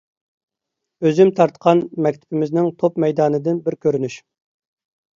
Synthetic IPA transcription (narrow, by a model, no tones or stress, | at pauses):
øzymt̪ʰɑɾt̪qʰɑnmɛkʲt̪ʰɪ̥bɪmɪznɪŋt̪ʰopmɛjd̪ɑːnɨd̪ɪnbɪɾkʲøɾynyʃ